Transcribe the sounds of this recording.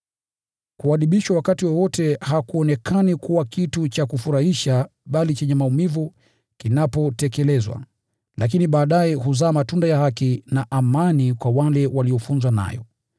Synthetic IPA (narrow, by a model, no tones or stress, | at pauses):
kuaɗiɓiʃwawakatiwɔwɔtɛhakuɔnɛkʰanikuwakitut͡ʃakufuɾahiʃaɓalit͡ʃɛɲɛmaumivu | kinapɔtɛkɛlɛzwa̰ | lak̬iniɓaːɗajɛɦuzaːmatundajahakinaʔamanikwawalɛwaliɔfunzwana̰jɔ̰